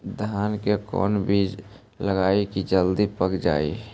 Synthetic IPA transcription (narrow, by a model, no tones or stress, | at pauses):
d̪ʱaːnkekɔ̰ːnbiːd͡ʒ | ləɡaːikid͡ʒəld̪ipəkd͡ʒa̰ːi